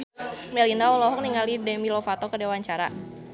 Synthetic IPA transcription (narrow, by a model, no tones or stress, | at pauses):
mɛlindaɔlɔɦɔk̚niŋalidɛmilɔfat̪ɔkədewaɲt͡ʃaɾa̰